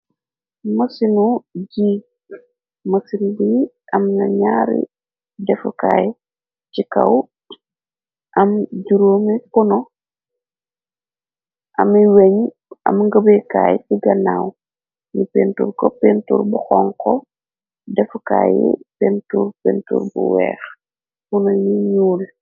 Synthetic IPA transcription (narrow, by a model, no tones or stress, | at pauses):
masinuɟi | mɐsinbi | ʔɐmnaɲaːɾḭ | dɛfukaːjɛ | t͡ʃika̰w | ʔɐmɟuɾoːmikuno | ʔɐmiweɲ | ʔɐ̰mŋɡəbejkaːjt͡ʃiɡɐnaw | ɲipentṵɾkopentuːɾbuxɔŋkɔ | dɛfukajipentuɾpentṵːɾbṵwɛ̰ːx | kunojiɲuːl